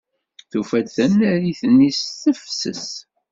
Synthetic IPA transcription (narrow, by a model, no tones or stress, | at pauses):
θufæd̪θænːæɾiθənːisθəfsə̰s